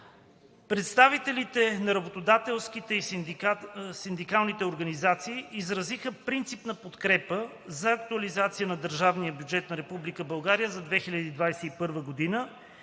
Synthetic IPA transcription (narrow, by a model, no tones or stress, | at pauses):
pɾɛt̪st̪avit̪ɛlit̪ɛnɐɾɐbot̪od̪at̪ɛlˠskit̪ɛi | sind̪ikalˠnit̪ɛoɾɡɐnizat̪siːʔizɾɐzixəpɾint̪sipnɐpot̪kɾɛpə | zɐːk̚t̪uɐlizat̪sijənɐd̪əɾʒavnijəbjud͡ʒɛt̪nɐɾɛpublikəbɐlˠɡaɾijəzɐd̪vɛxilʲɐd̪iːd̪vajsɛipɤɾvəɡod̪inə